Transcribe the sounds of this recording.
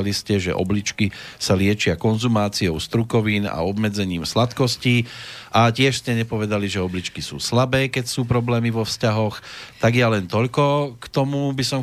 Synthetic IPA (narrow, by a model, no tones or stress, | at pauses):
liscɛʒɛ̰ʔɔ̰blit͡ʃkisalɪɛt͡ʃɪakɔnzumaːt͡siɔʊst̪ɾukɔʋiːna̰ɔbmɛd͡zɛɲiːmslat̪kɔsciːʔacɪɛʃscɛɲɛpɔʋɛd̪aliʒɛɔblit͡ʃkisṵːslabɛːkɛcsuːpɾɔblɛːmiʋɔfscaɦɔxt̪aɡjalɛnt̪ɔʎkɔkt̪ɔmubisɔm